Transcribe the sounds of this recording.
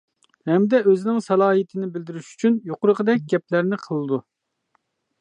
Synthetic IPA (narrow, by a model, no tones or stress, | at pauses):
hɛmd̪ɛøzɪnɪŋsɑlˠɑːɦit̪ʰɪnɪbɪld̪ɪɾyʃy̥t͡ʃʰynjoqʊɾəʁəd̪ɛk̚ʲɡʲɛp̚læɾnɪqʰəlˠɨd̪u